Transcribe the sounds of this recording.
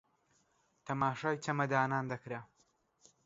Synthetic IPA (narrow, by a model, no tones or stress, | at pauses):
t̪ʰɐmaːʃaːjt̪ʰɐmɐd̪aːnaːnd̪ɐkɾa